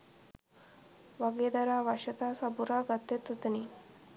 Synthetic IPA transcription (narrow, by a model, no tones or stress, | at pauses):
ʋaɡed̪ɐɾaʋaɕɐt̪asabuɾaɡat̪ːet̪ut̪ni